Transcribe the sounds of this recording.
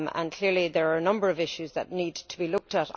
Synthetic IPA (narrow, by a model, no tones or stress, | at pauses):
mə̰̃nkʰl̥ɪɹliðəɹaɹənʌ̃mbə˞əvɪʃʉzðə̰tⁿnidtʰəbilʊk̚təɾ